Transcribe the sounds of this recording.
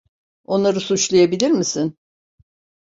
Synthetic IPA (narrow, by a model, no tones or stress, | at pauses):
o̞nlˠaɾɯsut͡ʃlˠajabilʲiɾmisɪn